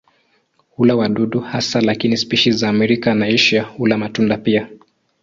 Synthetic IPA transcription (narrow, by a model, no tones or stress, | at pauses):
hulawaɗuɗuhasalakinispiʃizaːmɛɾikanaiʃaulamatundapia